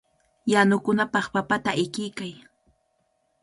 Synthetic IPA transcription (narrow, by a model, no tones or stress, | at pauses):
janʊkʊnapɑχpapat̪aɪkɪjkaj